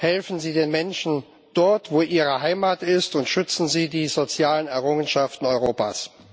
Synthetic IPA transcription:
hɛlfn̩ziːdeːnmɛnʃn̩ | d̥ɔɐtv̥oːʔiːʁ̞əɦaɪmaːtɪstʊntʃʏt͡sn̩ziːdiːzot͡sjaːlənɛɐʁʊŋənʃaftn̩ɔʏʁoːpa̰ːs

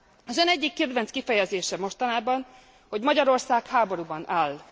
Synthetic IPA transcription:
ɒzønɛɟːikːɛd̪vɛnt̪skifɛjɛzeːʃɛmo̞ʃt̪ɒnaːbɒn | ho̞ɟmɒɟɒɾo̞rsaːkhaːbo̞ɾubɒnʔaːl

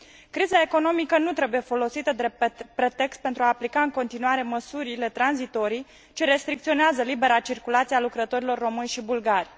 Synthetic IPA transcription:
kɾizae̞ko̞no̞mikənut̪ɾe̞buje̞fo̞lo̞sit̪əd̪epɾe̞t̪e̞kst̪̚pent̪ɾuaːplikaɨŋko̞nt̪inuaɾe̞məsuɾile̞t̪ɾanzit̪o̞ɾij | t͡ʃe̞ɾe̞st̪ɾik̚t̪sioneazəlibe̞ɾat͡ʃirkulat̪sialukɾət̪o̞ɾilo̞rːo̞mɨnʲʃibulɡarʲ

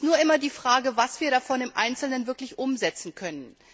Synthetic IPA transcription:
nuːɐʔɪmɐdiːfʁ̥aːɡəvasv̥iːɐɾafɔnɪmʔa̰ɪnt͡sl̩nənvɪɐklɪçʔʊmzɛt͡sn̩kʰœnən

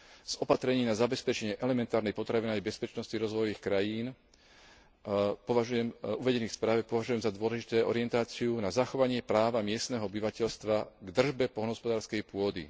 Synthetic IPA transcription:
z̥ɔpat̪ɾɛɲiːnazabɛspɛt͡ʃɛɲɪɛʔɛlɛmɛnt̪aːɾnɛjpɔt̪ɾaʋinajbɛspɛt͡ʃnɔsciɾɔzʋɔjɔʋiːxkɾajiːn | pɔʋaʒujɛmuʋɛɟɛniːxfspɾaːʋɛpɔʋaʒujɛmzad̪ʊɔlɛʒit̪ɛːɔɾɪɛnt̪aːt͡siunazaxɔʋaɲɪɛpɾaːʋamɪɛst̪nɛːɦɔɔbiʋacɛʎst̪ʋaɡd̪r̩ʒbɛpɔlnɦɔspɔd̪aːɾskɛjpʊɔd̪ḭ

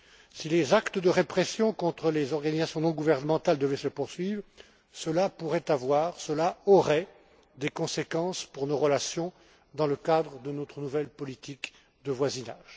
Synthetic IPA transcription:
silezakt̪əd̪əʁepχɛsjɔ̃kɔ̃t̪χəlezɔʁɡanizasjɔ̃nɔ̃ɡuvɛʁnəmɑ̃t̪ald̪əvɛsəpuʁsɥivʁ | səlapuʁɛt̪avwaːʁsəlaɔʁɛ | d̪ekɔ̃sekɑ̃spuʁnoʁəlasjɔ̃ | d̪ɑ̃ləkad̪ʁəd̪ənɔt̪χənuvɛlpɔlit̪ʰik | d̪əvwazinaːʒ̥

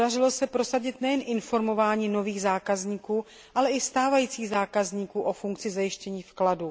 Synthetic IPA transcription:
darɪlo̞sɛpɾo̞saɟɪt̪nɛjɛnʔɪnfo̞ɾmo̞vaːɲiːno̞viːɣzaːkazɲiːkuː | ʔalɛʔɪst̪aːvajiːt͡siːɣzaːkazɲiːkuːʔo̞fuŋkt͡sɪzajɪʃcɛɲiːfkladu

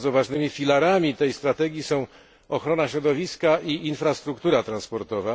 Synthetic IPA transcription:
zɔvaʐnɘmʲifʲilaɾamʲit̪ɛjst̪ɾat̪ɛɡʲjisɔ̃w̃ | ɔxɾɔnaɕɾɔd̪ɔvʲiskaiinfɾast̪ɾukt̪uɾat̪ɾanspɔɾt̪ɔva

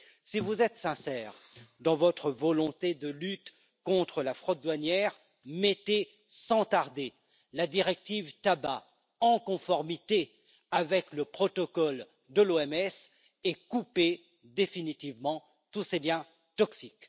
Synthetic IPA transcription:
sivuzɛt̪sɛ̃sɛːʁ | d̪ɑ̃vɔt̪χəvɔlɔ̃t̪ed̪əlyt̪ | kɔ̃t̪χəlafχot̪̚d̪wanjɛʁ | met̪e | sɑ̃t̪aʁd̪e | lad̪iʁɛk̚t̪ivt̪aba | ɑ̃kɔ̃fɔʁmit̪e | avɛkləpχɔt̪ɔkɔl | d̪əloɛmɛs | ɛkupe | d̪efinit̪ivmɑ̃ | t̪useljɛ̃ | t̪ɔksik

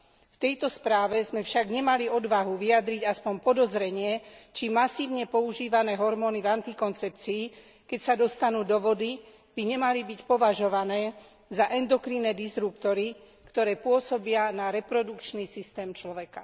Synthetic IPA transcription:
ft̪ɛjt̪ɔspɾaːʋɛzmɛfʃaɡɲɛmaliɔd̪ʋaɦuʋiad̪ɾiɟaspɔmpɔd̪ɔzɾɛɲɪɛt͡ʃimasiːʊɲɛpɔuʒiːʋanɛːɦɔɾmɔːnivant̪ikɔnt͡sɛp̚t͡siː | kɛcsad̪ɔst̪anuːd̪ɔʋɔd̪i | b̥iɲɛmalibicpɔʋaʒɔʋanɛː | zaʔɛnd̪ɔkɾinɛːd̪izɾupt̪ɔɾi | kt̪ɔɾɛːpʊɔsɔbɪanaɾɛpɾɔd̪ukt͡ʃnisist̪ɛːmt͡ʃlɔʋɛka

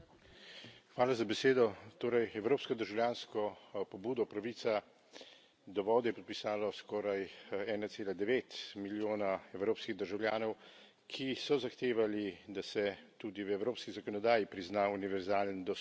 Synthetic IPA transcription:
xʋaːlazabɛseːd̪ɔt̪oːɾajɛwɾoːpskɔd̪əɾʒawlʲjaːnskɔpɔbuːd̪ɔpɾaʋit̪sa | d̪ɔʋɔːd̪jɛpɔt̪̚pisaːlɔskɔːɾajɛːnatseːlad̪ɛʋeːt̪miljoːnaɛwɾoːpskiɣd̪əɾʒawlʲjaːnɔw | kʰisɔzaxt̪eːʋalid̪asɛt̪ud̪iwɛwɾoːpskizakɔnɔd̪aːjipɾiznauniʋɛɾzaːlənd̪ɔ

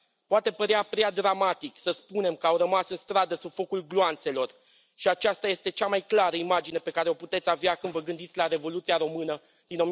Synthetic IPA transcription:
poat̪e̞pəɾeapɾead̪ɾamat̪iksəspune̞mkəawɾəmasɨnst̪ɾad̪əsubfo̞kulɡloant̪se̞lo̞r | ʃiat͡ʃast̪aje̞st̪e̞t͡ʃamajklaɾəimad͡ʒine̞pe̞kaɾe̞o̞put̪e̞t̪sʲaveakɨnd̪vəɡɨnd̪it̪sʲlaɾe̞vo̞lut̪siaɾo̞mɨnə | d̪̥ino̞m

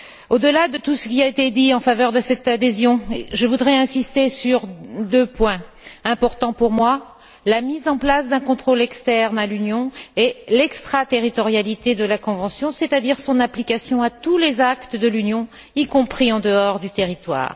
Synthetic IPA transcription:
od̪əlad̪ət̪usə̥kʲiaet̪ed̪iɑ̃favœʁd̪əsɛt̪ad̪ezjɔ̃eʒəvud̪ʁɛɛ̃sist̪esyʁd̪øpwɛ̃ | ɛ̃pɔʁt̪ɑ̃puʁmwa | lamizɑ̃plasd̪ɛ̃kɔ̃t̪χolɛkst̪ɛʁnalynjɔ̃elɛkst̪χat̪eʁit̪ɔʁjalit̪ed̪əlakɔ̃vɑ̃sjɔ̃set̪ad̪iʁsɔ̃naplikasjɔ̃at̪ulezakt̪əd̪əlynjɔ̃ | ikɔ̃pχiɑ̃d̪əɔʁd̪yt̪eʁit̪wa̰ːʁ

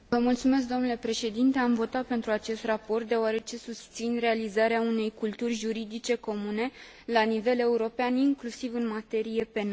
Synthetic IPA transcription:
vəmult̪sume̞s̬k̚d̪o̞mnule̞pɾe̞ʃe̞d̪int̪e̞amvo̞t̪at̪̚pe̞nt̪ɾuat͡ʃe̞st̪rapo̞rt̪̚d̪e̞oaɾe̞t͡ʃe̞sust̪sinre̞alizaɾeaune̞jkult̪urʲʒuɾid̪it͡ʃe̞ko̞mune̞ | lanive̞le̞uɾo̞peaniŋklusivɨnmat̪e̞ɾije̞pe̞na

